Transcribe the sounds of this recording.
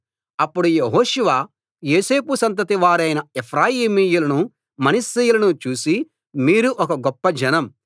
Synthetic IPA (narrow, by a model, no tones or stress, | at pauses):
ɐpːuɽujeɦoːʃuʋaː | jeːse̞ːpusɐnt̪̬ɐt̪iʋaːɾɐjnɐepʰɾaːjiːmiːjulɐnu | mɐnɐsːejulɐnut͡ʃuːsi | miːɾuʔɔkɐɡɔpːɐd͡ʒɐnɐm